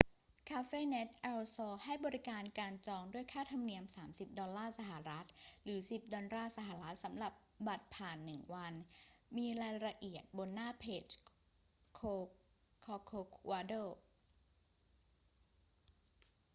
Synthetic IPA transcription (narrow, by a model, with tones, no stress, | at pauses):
kʰaː˧˥feː˥˩ne˦˥t̪̚ʔɛ˧lsɔː˧ha˥˩jbɔː˧ɾi˦˥kaː˧nkaː˧nt͡ɕɔː˧ŋdu˥˩əjkʰaː˥˩t̪ʰa˧mni˧əmsaː˩˦msi˨˩p̚dɔ˧nlːaː˥˩sa˧˩ɦa˨˩ɾa˦˥t̪̚ɾɯː˩˦si˨˩p̚dɔː˧nɾaː˥˩sa˧ɦa˨˩ɾa˦˥t̪̚sa˩˦mɾa˨˩p̚ba˨˩t̪̚pʰaː˨˩nːɯ˨˩ŋwa˧nmiː˧ɾaː˧jɾa˧ʔi˨˩ət̪̚bo˧nːaː˥˩pʰeː˨˩t͡ɕ | kʰː | kʰɔː˧kʰoː˧kʰwaː˧doː˥˩